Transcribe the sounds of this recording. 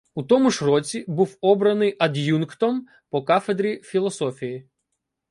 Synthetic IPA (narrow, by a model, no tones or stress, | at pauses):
ut̪ɔmʊʐrɔt͡sʲibuwɔbɾɐnɪjʔɐd̪ʲjunkt̪ɔm | pɔkafed̪ɾʲifʲilˠɔsɔfʲiji